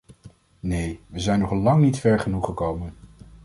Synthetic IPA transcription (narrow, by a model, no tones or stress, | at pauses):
nejʋəzɛjnːɔχlɑŋnitfɛɹχənuχəkowmən